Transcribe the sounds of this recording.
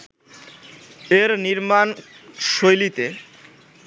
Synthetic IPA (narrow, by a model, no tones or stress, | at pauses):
eɾniɾmanʃojlit̪e